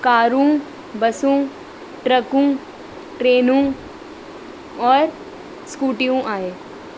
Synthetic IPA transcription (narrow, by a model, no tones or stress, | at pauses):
kaːɾũː | bɐsũː | ʈɾɐkũː | ʈɾeːnũ | ɔːɾ | skuːʈijõʔaːeː